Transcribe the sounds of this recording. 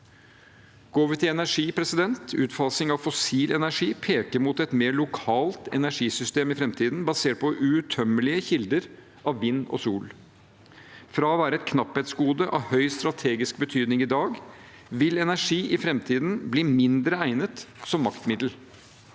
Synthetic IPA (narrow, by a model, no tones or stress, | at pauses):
ɡ̥oːʋət̪ʰɪɛnæʂiːpʰɾɛsɪd̪ɛnt̪ʉːt̪fɑlsɪŋɑʋfɔsiːlʔɛnæʂiːpʰeːkəɾmʊt̪ɛt̪meːɭʊkʰɑːlt̪ɛ̰næʂiːsʏst̪eːmɪfɾɛmt̪ʰiːd̪n̩bɑseːʈ̚pɔʔʉʉt̪ʰœmːəlɪəçɪld̪əɾ | ʔɑʋːɪnːɔ̰suːl | fɾɑːɔʋæːɾəɛt̪̚kʰnɑpheːt̪sɡuːd̪əʔɑ̰ʋhœʏst̪ɾɑt̪ʰeːɡɪsk̚bət̪ʰyːd̪nɪŋɪd̪ɑːɡ | ʋɪlɛnæʂiːʔɪfɾɛmt̪ʰiːd̪nbliːmɪnd̪ɾəæɪnət̪sɔmːɑkt̪mɪd̪l̩